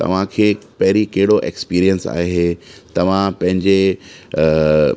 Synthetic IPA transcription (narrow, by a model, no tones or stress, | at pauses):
t̪ɐ̰ʋ̤ãkʰeːpɐɦɪɾikɐɦɪɽoʔekspiːɾijənsa̰ːɦet̪ɐʋ̤ãpɐ̃ɦɪ̃ɲd͡ʑe